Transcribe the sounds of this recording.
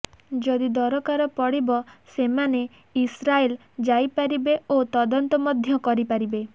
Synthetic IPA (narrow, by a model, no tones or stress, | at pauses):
d͡ʒɔd̪id̪ɔɾɔkaɾɔpɔɽibɔsemane | isɾael | d͡ʒajpaɾibeot̪ɔd̪ɔnt̪ɔmɔd̪ʱjɔkɔɾipaɾibe